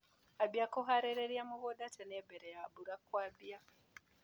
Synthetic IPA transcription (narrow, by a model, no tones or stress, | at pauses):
abiakoɦaɾeɾeɾiamuβodatʰenebeɾejabuɾakwabija